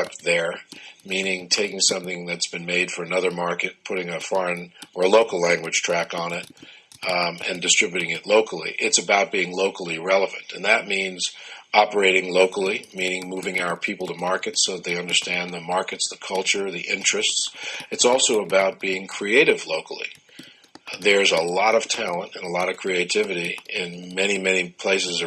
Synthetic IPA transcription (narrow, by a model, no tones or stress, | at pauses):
p̚ðə˞mĩnɪ̃ŋtʰeɪkɪ̃ŋsʌ̃mθɪ̃ŋðɨtsb̥ɨ̃nmeɪd̥fə˞ɨnʌðə˞mɑɹkɨt̚pʰʊɾɪ̃ŋɨfɔɹɨ̃nə˞əloʊkl̩ˠlæ̃ŋɡwɨd̥ʒ̥tʰɹ̥ækn̩ɪɾ | ɨ̰̃ndɨstɹ̥ɪbjʉɾɪ̃ŋɨtˡloʊkʰl̩ˠḭʔɪtsɨbaʊt̚b̥iɪ̃ŋloʊkl̩ˠiɹɛlˠəvɨ̰̃ntʰɨ̰̃nðɨt̚mĩnzʔɑpə˞eɪɾɪ̃ŋloʊkl̩ˠimĩnɪ̃ŋmuvɪ̃ŋaʊə˞pʰipl̩ˠtʰəmɑɹkɨtsoʊðt̪̚ðeɪʌ̃ndə˞stæ̃nðɨmɑɹkɨtsðɨkʰʌlˠt͡ʃə˞ðiʔɪ̃nt͡ʃɹ̥ɨstsɨtsɔlˠsoʊəbaʊt̚b̥iɪ̃ŋkʰɹ̥ieɪɾɨvloʊkl̩ˠḭ | ðə˞ɨzəlɔɾʌv̥tʰælˠə̃ntɨ̃nəlɔɾʌv̥kʰɹ̥ieɪtʰɪvɨɾiɪ̃nmɛñimɛnipʰl̥eɪsɨz